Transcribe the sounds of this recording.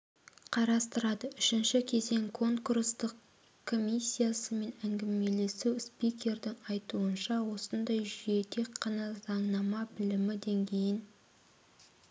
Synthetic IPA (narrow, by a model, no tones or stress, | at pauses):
qʰɑɾɑst̪əɾɑd̪əʏʃɪnʃɪkʲʰe̞ze̞ŋkʰo̞ŋkurst̪əq | kʰːo̞mʲijsʲːijasəme̞næŋɡʲɪme̞le̞suwspijkʲe̞ɾd̪ɪŋɑjt̪uənʃɑwo̞sənd̪ɑjʒʏje̞t̪ʰe̞kʲqʰːɑnɑzɑɴnɑmɑbɪlɪmɪd̪e̞ŋɡʲʰe̞jɪn